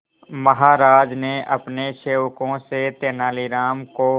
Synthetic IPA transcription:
məɦaːɾaːd͡ʒneʔɐpneʃeːwkõset̪eːnaːliɾaːmko

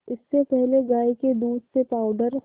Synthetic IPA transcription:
ɪsːepɛɦleɡaːiked̪uːd̪sepaːʊɖəɾ

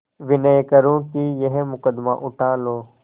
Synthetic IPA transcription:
ʋɪnəjkəɾũːkijəɦmʊkəd̪ma̰ʔʊʈʰaːloː

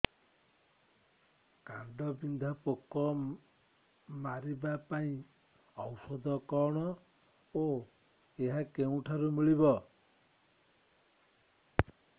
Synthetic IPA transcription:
kaɳɖɔbind̪ʱapokɔ | maɾibapaĩ | ɔwsɔd̪ɔkɔɽ̃ɔ | o | eɦakew̃ʈʰaɾumiɭibɔ

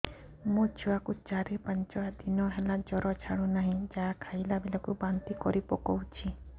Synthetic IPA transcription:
mũd͡ʒʰuakut͡ʃaɾipant͡ʃɔad̪inɔɦelad͡ʒɔɾɔt͡ʃʰaɽ̃ũnaɦĩd͡ʒaakʰajlabilakubant̪ikɔɾipɔkɔwt͡ʃʰi

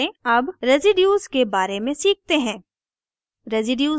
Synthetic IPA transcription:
ẽɐbɾezɪɖjuːzkebaːɾemẽsiːk̚t̪eɦɛ̃ː | ɾezɪɖjuː

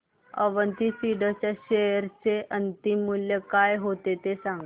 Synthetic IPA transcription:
ə̰ʋənt̪isiɽət͡ɕjaɕejəɾt͡seʔənt̪imːuljəkajɦot̪et̪esãŋɡ

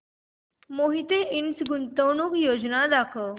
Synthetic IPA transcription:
moɦit̪eʔinsɡunt̪əwnuːkjod͡ʒnad̪akʰə

